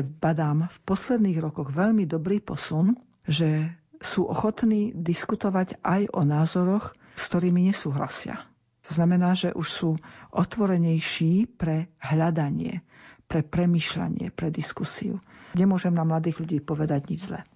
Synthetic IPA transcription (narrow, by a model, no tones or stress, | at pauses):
bad̪aːmfpɔslɛd̪niːɣɾɔkɔɣʋɛʎmid̪ɔbɾiːpɔsun | ʒɛsuːʔɔ̰xɔt̪niːd̪iskut̪ɔʋaɟajɔnaːzɔɾɔx | skt̪ɔɾiːmiɲɛsuːɦla̰sɪa̰ | t̪ɔznamɛnaːʒɛ̰ʔuʃsuːʔɔt̪ʋɔɾɛɲɛjʃiːpɾɛɦlʎad̪aɲɪɛ̰pɾɛpɾɛmiːʃla̰ɲɪɛ̰pɾɛd̪iskusḭṵɲɛmʊɔʒɛmnamlad̪iːɣʎuɟiːpɔʋɛd̪aɟɲid͡ʒzlɛ̰